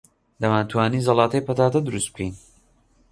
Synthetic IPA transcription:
d̪ɐmaːnt̪ʰwaːniːzɐlˠɑːt̪ɐjpɐt̪aːt̪ɐd̪ɨɾust̪̚b̚kʰejn

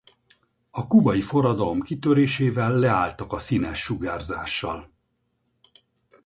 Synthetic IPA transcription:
ɒkubɒjifo̞rɒd̪ɒlo̞mkit̪øɾeːʃeːvɛlːɛaːlt̪ɒkɒsinɛʃːuɡaːrzaːʃːɒ̰l

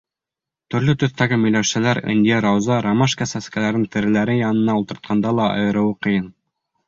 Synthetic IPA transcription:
t̪ɵ̆ɾlɵt̪ɵ̆θt̪æɡɘmɵ̆jlæʃɘlæɾɘ̰nʲd̪ʲijeɾɑwzɑɾɑmɑʃkasæskælæɾnɘ̆nt̪ɘ̆ɾɘ̆læɾɘjɑnɤ̆nɑult̪ɤ̆ɾt̪̚qʰɑnd̪ɑlˠɑɑ̰jɤ̆ɾɤ̆wɤqɤ̆jɤn

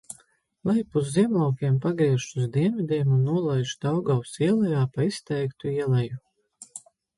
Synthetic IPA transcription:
lˠajpuzːiɛmlˠawkʲiɛmpaɡɾiɛʃuzd̪iɛnvid̪ʲɛːmunːuɔlˠajʒd̪awɡausiɛlˠɛjaːpaist̪ɛjkt̪uiɛlˠɛju

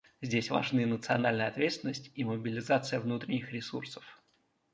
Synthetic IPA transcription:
zʲdʲesʲva̰ʐnɨjənət̪sɨɐnalʲnəjɐt̪vʲet̪st̪vʲɪnːəsʲtʲiməbʲɪlʲɪzat̪sɨjəvnut̪ɾʲɪnʲɪxɾʲɪsursə̥f

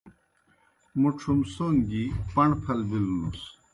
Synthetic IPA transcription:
muʈ͡ʂʰumsoːŋɡipɐɳpʰɐlbilunus

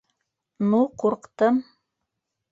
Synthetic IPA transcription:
nuquɾqt̪ɤm

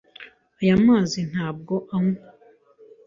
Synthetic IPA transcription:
ajamaːzin̥haːb̚ɡo̞ʔaŋu

